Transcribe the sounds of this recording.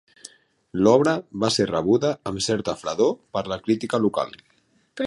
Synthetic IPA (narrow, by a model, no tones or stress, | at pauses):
lɔβɾəβaserəβuðaːmsɛɾt̪afɾaðopəɾlakɾit̪ikaluka̰l | p